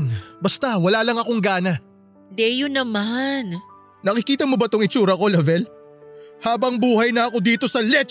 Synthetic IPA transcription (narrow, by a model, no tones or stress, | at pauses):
nbɐst̪awɐlaːlɐŋɐkoŋɡaːnɐ | d̪ɛjʊnɐman | nɐkɪkiːt̪ɐmo̞bɐt̪oŋɪt͡ʃuːɾɐko̞lɐvɛl | haːbɐŋbuːhɐjnɐɐko̞d̪iːt̪o̞sɐlɛt͡ʃ